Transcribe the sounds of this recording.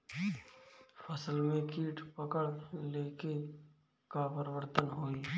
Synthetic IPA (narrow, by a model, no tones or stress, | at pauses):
pʰəsəlmẽkiːʈʰpəkəɽleːke | kapəɾɪwəɾt̪ənɦoːiː